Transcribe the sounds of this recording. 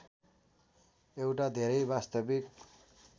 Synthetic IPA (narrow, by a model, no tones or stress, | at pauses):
ewʈad̪ʱeɾʌjbast̪ʌbik